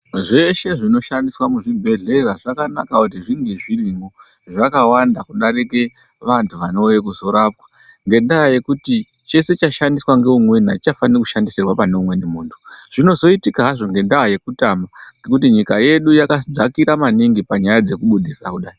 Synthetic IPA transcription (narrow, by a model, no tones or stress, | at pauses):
ʐe̞ʃe̞ʐino̞ʃandiswamuʐibʱe̞ɮe̞ɾaʐakana̰kakut̬iʐiŋɡeʐiriŋɡo | ʐakawandakuɗaɾike̞ | ʋantʰuʋano̞jekuzo̞ɾap̚wḁ | ŋɡe̞ndaɦaje̞kuti | t͡ʃe̞se̞t͡ʃaʃandiswaŋɡe̞umwe̞n̤ait͡ʃafanirkuʃandiserwapane̞umwe̞nemuːntʰu̥ʐ̥ino̞zo̞itikaɦaʐo̞ŋɡe̞ndaɦaje̞kutamaŋɡe̞kut̬iɲikaje̞ɗujakad͡zakiɾamaniŋɡipaɲajad͡ze̞kuɓuɗirira̰kuɗaːji